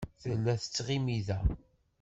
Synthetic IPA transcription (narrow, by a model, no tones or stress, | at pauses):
θəlːæθə̥t͡sːʁimiðæ